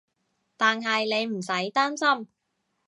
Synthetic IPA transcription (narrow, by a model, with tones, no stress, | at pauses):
t̪aː˨nɦɐ˨jle˨˧jm̩˨˩sɐ˨˥jt̪aː˥nsɐ˥m